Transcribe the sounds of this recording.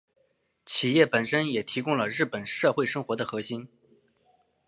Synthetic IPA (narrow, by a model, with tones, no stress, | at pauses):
t͡ɕʰi˨˩jɛ˥˩pə˨˩nʂə˥njɛ˨˩t̪ʰi˧˥kʊ˥ŋlə˨ɻɻ̩˥˩pə˨˩nʂɤ˥˧xwe˥˩ɪʂɤ˥ŋxwɔ˧˥d̪ə˨xɤ˧˥ɕi˥n